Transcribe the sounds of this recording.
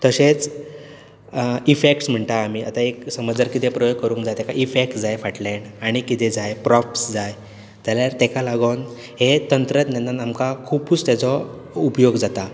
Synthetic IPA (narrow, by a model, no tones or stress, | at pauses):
t̪əɕet͡s | ifek̚ʈsm̤əɳʈ̪aːmiːa̰t̪aeksəməd͡zəɾkit̪epɾəjoɡkːəɾũŋkd͡zajt̪ɛkaʔifek̚ʈd͡zajfaʈleɳaɽ̃ikit̪ed͡zajpɾɔfsd͡zaj | d͡zaljaɾt̪ɛkalaɡən | het̪ənt̪ɾət̪njanːanamkakʰupuːt͡st̪jat͡sɔ | upjoɡd͡zat̪a